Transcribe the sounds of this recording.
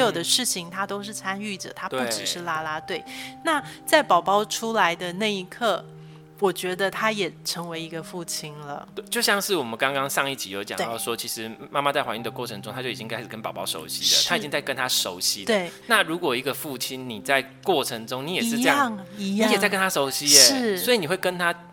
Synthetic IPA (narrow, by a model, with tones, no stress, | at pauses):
jo˨˩ʊd̪ə˦ʂɻ̩˥˩t͡ɕʰi˩ŋt̪ʰa˥t̪o˥ʊʂ̬ɻ̩˥˩t͡sʰa˥ny˥˩ʈ͡ʂə̰˨˩t̪ʰa˥t̪u˥˩ʈ͡ʂɻ̩˨˩ʂɻ̩˥˩la˥la˥t̪we˥˩ɪna˥˩t͡sa˥˩ɪpɑ˨˩ʊpɑ˥ʊʈ͡ʂʰu˥la˧˥ɪd̪ə˧na˥˩i˧˥kʰɤ˥˩ | wɔ˨˩t͡ɕɥɛ˧˥d̪ə˧t̪ʰa˥jɛ˨˩ʈ͡ʂʰɤ˧˥ŋwe˧˥ɪi˧˥ɡə˧fu˥˩t͡ɕʰi˥nlə̰˨˥˩ɪt͡ɕjo˥˧ʊɕjɑ˥˧ŋʂɻ̩˥˩wɔ˨˩mə˦nkɑ˥ŋkɑ˥ŋʂɑ˥˧ŋi˥˩t͡ɕi˨˥jo˧˥ʊt͡ɕjɑ̰˨ŋwe˥d̪ɑ˥˩ʊʂwɔ˦˥t͡ɕʰi˧˥ʂɻ̩˧˦ma˥˧ma˥˧t͡sa˥˩ɪwa˧˦i˥˧d̪ə˩kwɔ˥˩ə˧ŋʈ͡ʂʊ˥ŋt̪ʰa˥t͡ɕji˨˩t͡ɕi˦ŋkʰa˥ɪʂɻ̩˨˩kə˦npɑ˨˩ʊpɑ˥˧ʊʂo̰˧˥ʊɕi˧˥lə̰˨t̪ʰa˥i˨t͡ɕi˥ŋt͡sa˥˩ɪkə˦nt̪ʰa˥ʂo˧˥ʊɕi˧˥d̪wəe˥˧˩ɪna˥˩ɻu˧˥kwɔ˨˩i˧˦˥ɡə˧fu˥˩t͡ɕʰi˥nni˨˩t͡sa˥˧ɪ | kwɔ˥˩ʈ͡ʂʰə˧˥ŋʈ͡ʂʊ˥ŋni˨˥jɛ˨ʂɻ̩˥˧˥jɑ˥˩ŋ˧i˦˥jɛ˨˩t͡sa˥˩ɪkə˥nt̪ʰa˥ʂo˧˥ʊɕi˧˥eʂɻ̩˥˩swɔ˧˥i˨ni˨˩we˥˩kə˦˥nt̪ʰa˥